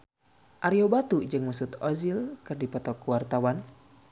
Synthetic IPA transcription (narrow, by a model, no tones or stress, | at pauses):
ʔaɾiobat̪ud͡ʒɨŋmusut̪ɔzilkɨrdipɔt̪ɔkuwart̪awan